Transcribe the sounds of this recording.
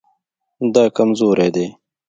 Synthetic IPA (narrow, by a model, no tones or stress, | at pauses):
d̪aːkɐmzoːɾeːd̪eː